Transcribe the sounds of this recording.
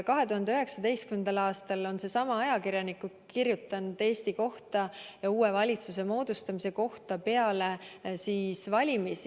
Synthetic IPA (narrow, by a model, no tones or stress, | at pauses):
kɑɦet̪uɦɑnd̪e̞øɦeksɑd̪e̞jst̪kymend̪̥ɑlɑːst̪ɑlo̞nse̞sɑmɑɑjɑkiɾjɑnikːu | kirjut̪ːˑɑnd̪̥e̞ːst̪iko̞ht̪ɑjɑuːe̞vɑlʲit̪suse̞mo̞ːd̪̥ust̪ɑmise̞ko̞ht̪ɑpe̞ɑle̞siːsvɑlʲimisi